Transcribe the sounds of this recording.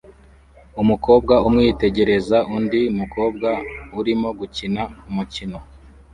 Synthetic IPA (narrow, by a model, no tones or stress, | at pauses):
umuko̞ːb̚ɡaumŋiːte̞ɟe̞ɾe̞zaʔundiumuko̞ːb̚ɡauɾimo̞ɡucinaumucino̞